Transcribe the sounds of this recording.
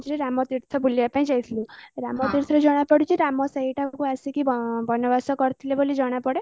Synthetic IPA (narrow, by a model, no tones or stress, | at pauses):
d͡ʒiɾiɾamɔt̪iɾt̪ʰɔbuljapãĩd͡ʒajt̪ʰilueɾamɔt̪iɾt̪ʰɔɾed͡ʒɔɽ̃apɔɽut͡ʃʰiɾamɔseɦiʈʰakuasikibʱɔnɔbasɔkɔɾt̪ʰilebolid͡ʒɔɽ̃apɔɽe